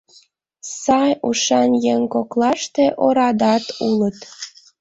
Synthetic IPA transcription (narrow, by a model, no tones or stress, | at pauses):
sɑjuʃɑnjeŋkoklɑʃt̪eʔoɾɑd̪ɑt̪ulət̪